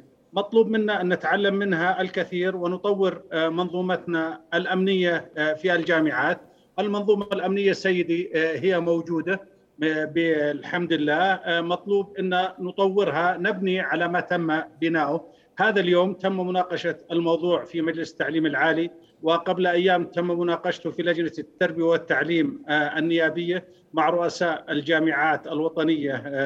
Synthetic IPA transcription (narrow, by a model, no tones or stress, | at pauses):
mɑt̪ˤluːbmɪnːaʔɪnːɪt̪ʕalːamːɪnɦaʔɪlkɪθiːɾwɪnʊt̪ˤɑwːɪɾmɑnðˤuːmɑt̪naɪlʔamnɪjːafiald͡ʒaːmɪʕaːt̪̚ | ʔɪlmɑnðˤuːmalʔamnɪjːasːajːɪd̪iɦɪjːamowd͡ʒuːd̪a | bɪlħamd̪ɪlːaːmɑt̪ˤluːbʔɪnːanʊt̪ˤɑwːɪɾɦanɪbniʕalamat̪amːabɪnaːʔʊ | haːðaljoːmt̪amːmʊnɑːqɑʃaɪlmɑwðˤuːʕfimad͡ʒlɪsɪ̥t̪ːaʕliːmɪlʕaːli | wɪqɑblʔajːaːmt̪amːmʊnɑːqɑʃt̪ʊfilad͡ʒnat̪ːɑɾˤbɪjawɪt̪ːaʕliːmʔɪnːɪjaːbɪjːa | maʕɾˤʊʔasaːʔɪld͡ʒaːmɪʕaːt̪alwɑt̪ˤɑnɪjːa